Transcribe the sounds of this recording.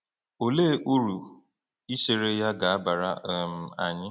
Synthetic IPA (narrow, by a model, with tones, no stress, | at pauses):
o˨leː˦ʔu˦ɾu˨ | i˦ʃe˨ɾe˦ja˦ɡa˨a˦ba˨ɾa˦˨m̩˨a̰˨ɲɪ˦